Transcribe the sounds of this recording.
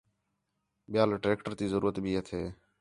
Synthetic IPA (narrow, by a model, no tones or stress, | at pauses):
ɓɪjaːlʈɾeːkʈəɾt̪iːzəɾuːət̪bʱiːɦət̪ʰeː